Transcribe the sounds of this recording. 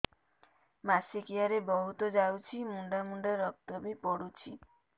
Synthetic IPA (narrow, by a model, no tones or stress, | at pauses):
masikiaɾebɔɦut̪ɔd͡ʒawt͡ʃʰimuɳɖamuɳɖaɾɔk̚t̪ɔbipɔɽut͡ʃʰi